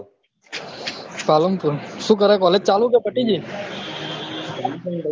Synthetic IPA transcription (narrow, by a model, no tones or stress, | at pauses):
kaːlompusuːk̬əɾeːkɔːleːd͡ʒ̚t͡ʃaːlũːk̬eːpəʈiːd͡ʒiː